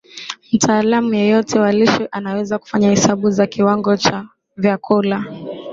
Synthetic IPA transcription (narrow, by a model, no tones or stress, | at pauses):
m̩tʰaːlamujɛjɔtʰɛwaliʃiʔanawɛzaku̥faɲahɛsaɓuzakiwaŋɡɔt͡ʃa | vjakʰɔla